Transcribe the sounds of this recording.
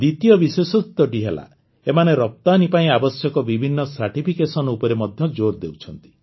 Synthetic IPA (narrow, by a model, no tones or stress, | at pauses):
d̪it̪ijɔbisesut̪ɔʈiɦela̰ | emaneɾɔp̚t̪anipaĩabɔsjɔkɔbibʱinːɔsaɾʈipʰikesɔnɔupɔɾemɔd̪ʱjɔd͡ʒoɾd̪ewt͡ʃʰɔnt̪i̥